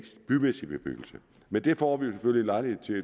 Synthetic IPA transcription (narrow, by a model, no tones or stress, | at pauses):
sb̥ymesib̥eb̥y̰ɡ̥l̩sə | mend̥e̝fɒ̰ːʋijo̝sefølilɑ̈ɪliet͡sʰe̝